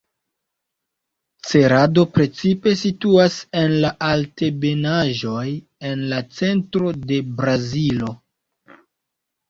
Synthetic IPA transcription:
t͡se̞ɾado̞pɾe̞t͡sipe̞situase̞nlaʔalte̞be̞naʒo̞j | e̞nlat͡se̞ntɾo̞de̞bɾazilo̞

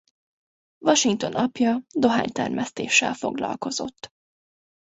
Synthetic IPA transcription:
vɒʃiŋk̚t̪o̞nɒpjɒd̪o̞ɦaːɲt̪ɛrmʔɛst̪eːʃːɛlfo̞ɡlɒ̰lko̞zo̞̰t̪ː

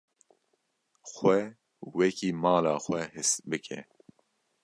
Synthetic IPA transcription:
xwɛ | wɛkiːmɑːlɑːxʷwɛhɨsbɨkʰɛ̰

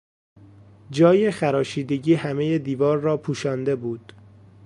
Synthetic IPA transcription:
d͡ʒɒːjexæɾɒːʃiːd̪e̞ɟiːhæme̞jed̪iːvɒːɾːɒːpʰuːʃɒːnd̪e̞buːd̪̥

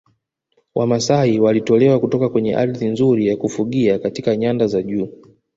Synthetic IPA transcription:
wamasaiwalitɔlɛwakutɔkakwɛɲɛ̰ʔa̰ɾiðinzuɾijakufuɠiakatikaɲandazaʄuː

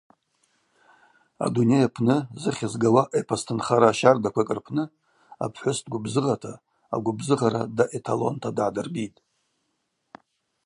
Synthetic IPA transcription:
a̰dunejapʰnɨzɨχʲazɡawaʔepʰastʰɨnχaɾaːʃardakʷʰakʼɨrpʰnɨ | a̰pʰħʷʊstɡʷʊbzɨʁatʰa̰ː | ɡʷʊbzɨʁaɾa̰daʔetʰalo̞̰ntʰadʕadɨrbitʼ

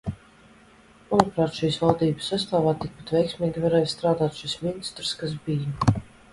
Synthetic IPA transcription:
manupɾaːt̪ʃiːsvalˠd̪iːbə̥sːast̪aːvaːt̪ik̚pat̪vʲɛjksmiːɡʲivaɾɛːjst̪ɾaːd̪aːt̪ʃisminist̪ɾɨskas̬bij

